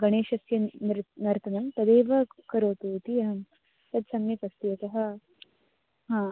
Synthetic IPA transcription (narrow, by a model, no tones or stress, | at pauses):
ɡɐɳeːʃɐsjɐɾnɐɾt̪ʰɐnɐmt̪ɐd̪eːʋɐkɐɾoːt̪uːt̪ijɐɦɐm | t̪ɐd̪sɐmjɐpɐst̪ijɐk̪ɐɦɐ̆ | ɦãː